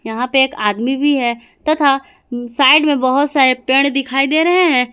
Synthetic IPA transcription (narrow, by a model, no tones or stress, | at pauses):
jɐɦãpeeːkaːd̪mibʱiɦɛː | t̪ɐt̪ʰa | saːɪɖmẽbɐɦʊt̪saːɾepeːɽ̃d̪ɪkʰaːid̪eːɾɐɦeɦɛ̃ː